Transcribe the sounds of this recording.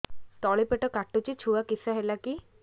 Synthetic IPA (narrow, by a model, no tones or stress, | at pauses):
t̪ɔɭipeʈɔkaʈut͡ʃit͡ʃʰuakisaɦelaki